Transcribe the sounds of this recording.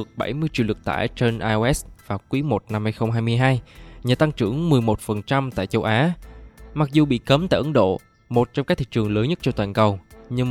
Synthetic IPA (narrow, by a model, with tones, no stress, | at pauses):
ək̚ɓa˧˩jmɨ˧əjt͡ɕi˧˨wlɨ˨˩k̚t̪a̰ː˧˩jt͡ɕe˧nʔaː˧jʔɛ˦˥vaː˨˩wkwi˨˦mo˨˩t̚na˧mhaː˧jxə˧wŋ͡mɦaː˧jmɨ˧əjɦaː˧jɲaː˨˩t̪a˧ŋt͡ɕɨ̰˧˩əŋmɨ˨˩əjmo˨˩t̚fə˨˩nt͡ɕa˧mt̪a̰ː˧˨jt͡ɕə˧wʔaː˨˦ma˨˩k̚zu˨˩ɓḭ˧˨kə˨˦mt̪a̰ː˧˨ʔə˨˦ŋɗo̰˧˨ | mo˨˩t̚t͡ɕɔ˧ŋ͡mk̚ːt̪ʰi˧˨˩t͡ɕɨ˨˩əŋləː˨˦nɲə˦˥t̚t͡ɕɔ˧t̪waː˨˩nkə˨˩wɲɨ˧ŋ